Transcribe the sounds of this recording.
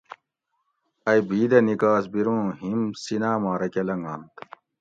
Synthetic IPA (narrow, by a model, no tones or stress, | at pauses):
ɐjbʱiːd̪ɐnikaːsbiɾõːɦimsinaːmaːɾɐkɐlɐŋɡaːnt̪